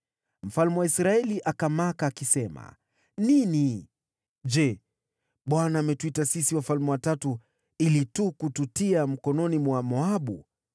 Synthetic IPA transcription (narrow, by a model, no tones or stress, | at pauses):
m̩falmɛwaisɾaɛliʔakamakaːkisɛma̰ | nini | ʄɛ | ɓwanaːmɛtuitasisiwafalmɛwatatu | ilitukututiam̩kɔnɔnimwamɔaɓṵ